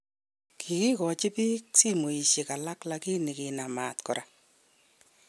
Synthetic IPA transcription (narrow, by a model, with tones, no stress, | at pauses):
kʰi˨ki˦kɔ˨t͡ʃɪ˦pi˦k̚si˦mo˨i˨ʃe˨ka˨la˦kla˦ki˦ni˨kɪ˨na˨ma˨t̪kɔ̰˨ɾa˨